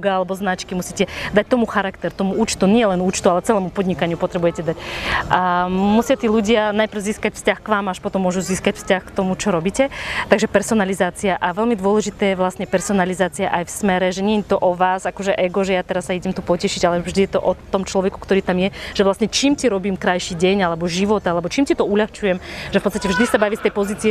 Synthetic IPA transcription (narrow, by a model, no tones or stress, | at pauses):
ɡaalɛbɔznat͡ʃkimusicɛd̪ac̚t̪ɔmuxaɾakt̪ɛɾt̪ɔmuʔuːt͡ʃt̪uɲɪɛlɛnuːt͡ʃt̪ualɛt͡sɛlɛːmupɔd̪ɲikaɲɪupɔt̪ɾɛbujɛcɛd̪acamusɪat̪iːluɟɪanajpr̩ziːskacfscaxkʋaːmaʃpɔt̪ɔmːɔʒuziːskacfscaxkt̪ɔmut͡ʃɔɾɔbiːcɛt̪aɡʒɛpɛɾsɔnalizaːt͡siaʔaʋɛlmid̪ʊɔlɛʒit̪ɛːjɛʋlastɲɛpɛɾsɔnalizaːt͡siaʔajfsmɛɾɛʒɛɲɛɛɲt̪ɔʔɔʋaːzakɔʒɛʔɛɡɔʒɛjat̪ɛɾasːaiɟɛmt̪upɔcɛʃiɟalɛvʒd̪ijɛt̪ɔʔɔt̪ɔmt͡ʃlɔʋɛku̥kt̪ɔɾiːt̪amjɛʒ̥ɛʋlasɲɛt͡ʃiːmciɾɔbiːmkɾajʃiːɟɛɲalɛbɔʒiʋɔt̪alɛbɔt͡ʃiːmcit̪ɔuʎaxt͡ʃujɛmʒɛfpɔtt͡sst̪acɛvʒd̪isabaʋist̪ɛjpɔziːt͡siɛ